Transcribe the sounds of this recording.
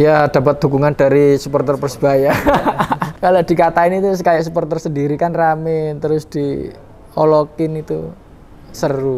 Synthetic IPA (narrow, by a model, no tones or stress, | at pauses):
jad̥a̤pat̪̚d̪̥ukuŋand̥aɾisupɔrt̪ərpərsb̥aja | kaloʔd̥i̤kat̪aɪnit̪usəkajaʔsupɔrt̪ərsəndiɾikanramɪnt̪əɾʊsd̥i | ɔlokɪnit̪ṵ | səru